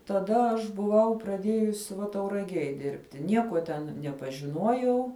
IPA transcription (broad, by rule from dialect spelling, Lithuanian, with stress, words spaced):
tɐˈdɐ ɐʃ bʊˈʋɐʊ prɐˈdʲiɛjʊs ʋɐ tɐʊrɐˈɡʲiɛj ˈdʲɪrʲpʲtʲɪ ˈnʲiɛkuɔ tʲɛn nʲɛpɐʒʲɪˈnuɔjɛʊ